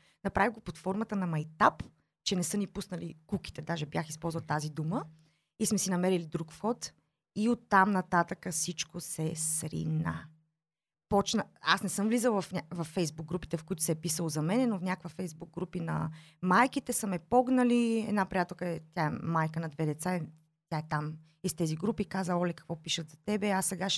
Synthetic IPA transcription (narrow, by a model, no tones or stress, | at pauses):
nɐpɾaviɡopot̪fɔɾmət̪ənɐmɐjt̪ap | t͡ʃɛnɛsɤnipusnəlikuki̥t̪ɛd̪aʒɛbjaxi̥spɔlˠzvət̪azid̪umə | ismɛsinɐmɛɾilid̪ɾukfxɔt̪ | iot̪ːamnɐt̪at̪əkəsit͡ʃkosɛsɾḭna̰ | pɔt͡ʃnəa̰snɛsɤmvlizəlˠvɐfʲvɐfːɛjzbuɡ̚ːɾupi̥t̪ɛfkʊit̪ʊ̥sɛpisəlˠozɐmɛnɛnofnʲakkvəfɛjzbuɡ̚ɡːɾupinɐ̰majkit̪ɛsəmɛpɔɡnəliɛd̪napɾijat̪əlˠkəɛt̪ʲjaɛmajkənɐd̪vɛd̪ɛt̪saɛ | t̪ʲjaɛt̪am | ist̪ɛziɡɾupikazəɔlɛkɐ̥kvɔpiʃət̪zɐt̪ɛbɛasːɛɡaʃ